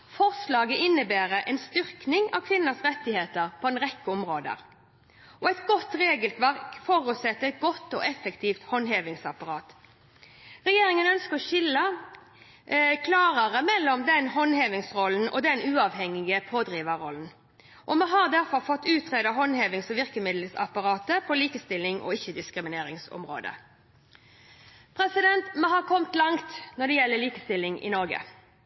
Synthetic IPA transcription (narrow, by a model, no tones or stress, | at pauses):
fɔʁslɑːɡəɪnːəbæːɾəʔɛnst̪ʏʁknɪŋɑ̰ʋkʰʋɪnːəsʁɛt̪ːɪheːt̪əʁpʰɔɛnʁɛkːəɔmʁoːd̪ə̰ʁ | ʔɔɛt̪ɡɔt̪ʁeːɡəlk̪ʰʋæʁkfɔɾʉt̪sɛt̪ːəɛt̪̚ɡɔt̪ːɔ̰ːʔɛfəkt̪ʰiːft̪hɔnɦeːʋɪŋsɑpɑʁɑːt̪ | ʁɛjeːɾɪŋənœnskəʁɔʃɪlə | kʰlɑːʁəʁəmɛlːɔmd̪ɛnɦɔnheːʋɪŋsʁɔln̩ʔɔ̰d̪ɛnʉːɑʋhɛŋɪɡəpʰoːd̪ʁiːʋəʁɔln̩ | ʔɔmɛɦɑʁd̪æʁfɔʁfɔt̪ːʉːt̪ʰʁeːd̪ɑɦɔnheːʋɪŋsɔʋɪʁkəmɪd̪l̩sɑ̰pɑʁɑːt̪əpʰɔliːkəst̪ɪlːɪŋʔɔ̰ɪçːəd̪ɪskɾɪmɪneːɾɪŋsɔ̰mʁo̰ːd̪ə̰ | pʰʁɛsɪd̪ɛnt̪mɛhɑːʁkʰɔmt̪lɑŋt̪nɔd̪ɛjɛlːəliːkəst̪ɪlːɪŋʔɪ̰nɔʁɡə̰